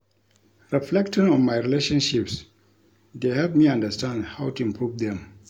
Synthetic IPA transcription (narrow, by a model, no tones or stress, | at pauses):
ɹiflɛk̚tĩnɔ̃nmajɹileʃɔ̃nʃips | d̪eɦɛlp̚miãndəstãndhawtuĩmpʰɹuvd̪ɛ̃m